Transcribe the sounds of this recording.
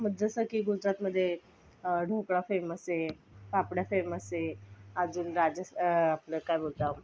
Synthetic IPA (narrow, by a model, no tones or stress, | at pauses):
məd̪ʱd͡zəsəkiːɡud͡zɾat̪məd̪ʱːje | ɖʱokɽafeməse | papɽjafeməseəd͡zuːnɾad͡ʑəsapləkajbolt̪a